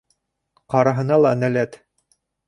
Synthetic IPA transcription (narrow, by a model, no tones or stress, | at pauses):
qɑɾɑɦɤ̆nɑlˠɑnælæt̪